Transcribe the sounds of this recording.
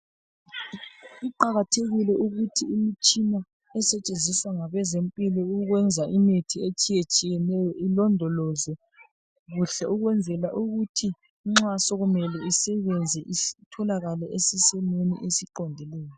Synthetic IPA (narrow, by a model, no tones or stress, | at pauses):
iǃaɣatʰeɣilɛʔuɣutʰiimit͡ʃʼina | ɛsɛt͡ʃʼend͡zʱisaŋaβɛzempʼilɔuɣwɛnd͡zʱaʔimitʰiet͡ʃʼijet͡ʃʼijɛnɛjɔʔilɔndʱɔlɔzɛ | ɣuɬɛʔuɣwɛnd͡zʱɛlaʔuɣutʰi | ŋ͡ǁasɔɣumɛlɛisɛβɛnd͡zʱɛʔitʰɔlaɣalɛʔesisɛnenḭʔesiǃɔndʱɛlɛːjɔ